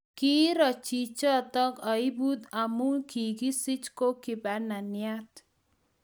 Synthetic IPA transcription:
kiɾɔt͡ʃit͡ʃɔt̪ɔkʌjbud̪amukiɡisit͡ʃkokibananjat̪

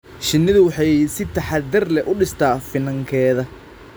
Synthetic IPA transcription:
ʃɪnːɪðʊwɑħɑjsɪt̪ʰɐħɑd̪ɪrlɛʔʊɖɪst̪ʰaːfɪnɐŋkʰɛːðɐ

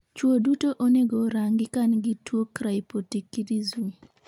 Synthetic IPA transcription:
t͡ʃwodutoʔoneɡoɾaŋɡɪkanɡɪtwokɾajpotikːidizu

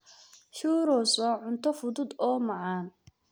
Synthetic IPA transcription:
ʃuːɾɔswɑːʕʊnt̪ʰɔfʊðʊd̪ɔːmɑʕaːn

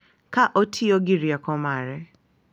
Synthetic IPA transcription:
kaʔɔtʰiɔɡiɾiakɔmaɾɛ

